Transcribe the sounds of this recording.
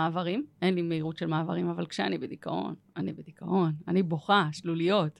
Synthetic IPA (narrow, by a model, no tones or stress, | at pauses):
aːvaʁime̞nlimeiʁutʃelmaːvaʁimavalkʃeanibed̪ikaʔo̞̰n | anibed̪ikʰaʔo̞naniboχaʃlulijo̞t